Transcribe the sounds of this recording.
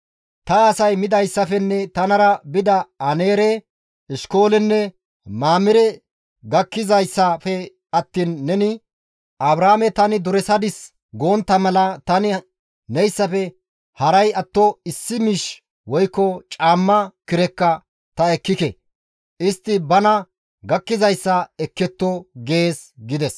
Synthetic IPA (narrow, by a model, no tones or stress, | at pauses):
t̪ɐːsɐjmɪd̪ɐjsːɐfɛnːɛt̪ɐnɐɾɐbɪd̪ɐɐneːɾɛ | ɪʃko̞ːlɛnːɛ | maːmɪɾɛ | ɡɐkːɪzɐjsːɐfɛ | ɐt̪ːiːnːɛnɪ | ʔɐbɾaːmɛt̪ɐnɪd̪ʊɾɛsɐd̪ɪs | ɡoːnt̪ːɐmɐlɐt̪ɐnɪ | nɛjsːɐfɛ | hɐɾɐjɐt̪ːɔɪsːɪmiːʃ | wɔjkːɔt͡ʃʼaːmːɐkɪɾɛkːɐ | t̪ɐɛkːɪkɛ | ʔɪst̪ːɪbɐnɐ | ɡɐkːɪzɐjsːɐɛkːɛt̪ːɔɡe̞ːsɡɪd̪ɛs